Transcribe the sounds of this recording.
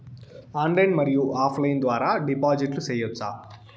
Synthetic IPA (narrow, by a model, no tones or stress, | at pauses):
aːnɖlɐjnmɐɾijuʔaːpʰlɐjind̪ʋaːɾaːɖipaːd͡ʒiʈlusɛːjɐt͡ʃːaː